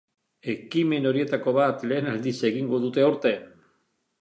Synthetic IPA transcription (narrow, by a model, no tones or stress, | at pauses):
e̞kime̞no̞ɾie̞t̪ako̞βat̪le̞ːnald̪ise̞ɣiŋɡo̞ðut̪e̞oɾt̪e̞